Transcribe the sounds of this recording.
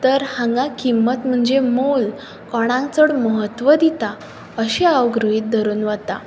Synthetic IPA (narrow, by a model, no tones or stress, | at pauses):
t̪əɾhãŋɡãkimːət̪m̤əɳd͡zemol | kɔɽ̃ãŋk̚t͡səɽməɦət̪ʋəd̪it̪a | əɕiaʋɡɾɦiːt̪̚d̪ʱəɾuːnʋət̪a̰